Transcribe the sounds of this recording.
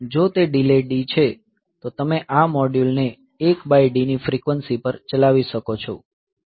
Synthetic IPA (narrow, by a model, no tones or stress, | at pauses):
d͡ʒot̪eɖileɖit͡ʃʰe | t̪ot̪əmeʔamɔɖjulneː | kbajɖinifɾikʋənsipəɾt͡ʃəlaʋiʃəkot͡ʃʰo